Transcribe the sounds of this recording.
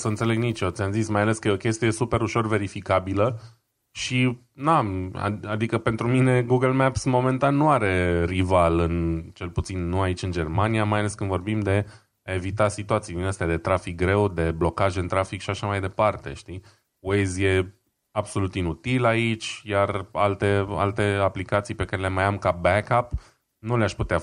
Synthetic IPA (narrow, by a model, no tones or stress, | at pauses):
səɨnt̪se̞leɡnit͡ʃot̪sʲamzismajale̞skəeokʲe̞st̪ije̞supe̞ɾuʃo̞rve̞ɾifikabilə | ʃi | naa̰a̰d̪ikəpe̞nt̪ɾumine̞ɡuɡəlmɛpsmo̞me̞nt̪anːuaɾe̞rivalɨnt͡ʃe̞lput̪sinːuait͡ʃʲɨnd͡ʒe̞rmaniamajale̞skɨnd̪vo̞rbimd̪e̞ | ae̞vit̪asit̪uat̪sid̪inast̪ead̪e̞t̪ɾafik̚ɡɾe̞wd̪e̞blo̞kaʒɨnt̪ɾafikʃiaʃamajd̪e̞part̪e̞̰ʃt̪i | wejzje̞ | abso̞lut̪inut̪ilait͡ʃʲjaralt̪e̞a̰lt̪e̞aplikat̪sijpe̞kaɾele̞majamkabɛkap | nuleaʃput̪ea